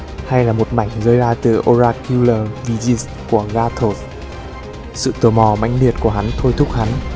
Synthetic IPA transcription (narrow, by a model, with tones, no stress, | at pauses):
ha˧jlaː˨˩mo˨˩t̚ma˧˩jŋ̟zəː˧jzaː˧t̪ɨ˨˩ʔo˧zaː˧ki˧ləː˨˩vi˧zi˧s | ku˧˩əɣaː˧t̪ʰo˧˩s | sɨ̰˧˨t̪o˨˧˩mɔ˨˩ma̰˧˥jŋ̟ɗi˨˩ət̚ku˧˩əɦa˨˦nt̪ʰo˧jt̪ʰʊ˦˥k̚ha˨˦n